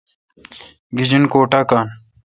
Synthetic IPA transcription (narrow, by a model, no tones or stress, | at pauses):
ɡid͡ʑinkoːʈakaːn